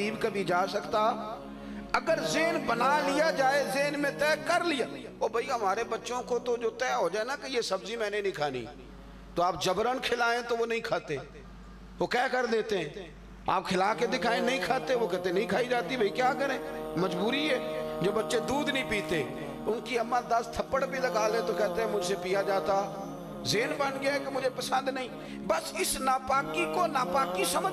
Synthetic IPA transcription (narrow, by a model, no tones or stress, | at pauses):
iːbkəbʱid͡ʒaːsəkt̪a | ɐɡəɾzeːnbənalɪjad͡ʒaːezeːnmẽt̪ɛːkəɾlɪjaː | oːbʱɐiɦɐmaːɾebɐtːʃõkot̪od͡ʒoːt̪ɛːɦod͡ʒaːenakejesəbzimɛ̃ːnenəɦĩkʰaːnḭ | t̪oaːp̚d͡ʒəbɾənkʰɪlaːẽt̪oʋonɐɦĩːkʰaːt̪ẽː | ʋoːkɛːkəɾd̪eːt̪eɦɛ̃ː | a̰ːpkʰɪlaːked̪ɪkʰaːẽːnəĩːkʰaːt̪eʋoːkɛːt̪enəĩːkʰaːid͡ʒaːt̪ibəiːkjaːkəɾẽːməd͡ʒbuːɾiːɛːd͡ʒoːbətːʃeːd̪uːd̪nəĩːpiːt̪eː | ʊnkiːəmãːd̪əst̪ʰəpːəɽbʱiləɡaːleːt̪oːkɛːt̪eɦɛ̃ːmʊd͡ʒsepijaːd͡ʒaːt̪aː | zeːnbənɡɪakemʊd͡ʒeːpəsə̃nd̪nəĩː | bəsɪsnaːpaːkikoːnaːpaːkisəmə